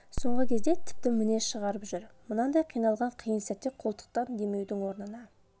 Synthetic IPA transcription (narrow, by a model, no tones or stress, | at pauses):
so̞ɴʁəkʲʰe̞zd̪e̞t̪ʰɪ̥p̚t̪ɪmɪneʃəʁɑɾəpʒʏɾmʊnɑnd̪ɑjqʰijnɑlˠʁɑɴqʰijənsæt̪ːeqʰo̞lˠt̪ə̥q̚t̪ɑnd̪e̞me̞wd̪ɪŋwo̞ɾnənɑ